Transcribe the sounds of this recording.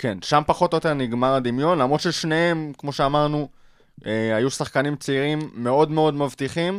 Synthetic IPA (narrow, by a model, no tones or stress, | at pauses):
ke̞nʃampaχo̞t̪ojot̪e̞ʁniɡmaʁad̪imjo̞nlamʁod̪ʃelʃnee̞mkmo̞ʃeamaʁnu | ʔeajusaχkanimt͡seiʁimːe̞o̞d̪me̞o̞d̪mavt̪iχim